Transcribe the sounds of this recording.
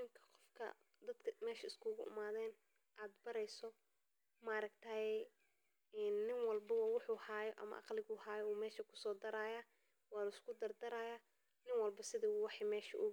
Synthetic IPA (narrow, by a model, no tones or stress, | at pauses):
ɪmkʰɐ̥qɔfkʰɐ̰ | d̪ɐd̪kʰɐmɛːʃɐɪskʰʊɣʊʔʊ̰maːðɛːn | ʔaːd̪bɐɾɛjsɔ | mɐɾɐɡt̪ʰɐɛː | nːɪŋwɐlbɐwwʊħuːhaːjɔʔɐ̰mɐ̰ʔɑ̰qlɪɣʊːhaːjɔuːmɛːʃɐkʰʊ̥sɔːd̪ɐɾaːjaː | wɑːlɪskʰʊd̪ɐrd̪ɐɾaːjaː | nɪŋwɐlbɐsɪðiːwɑħiːmɛːʃɐ̰ʔʊ